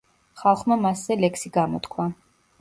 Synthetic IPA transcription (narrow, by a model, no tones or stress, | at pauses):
χalˠχmamaszɛlɛksiɡamɔ̰t̪kʰwa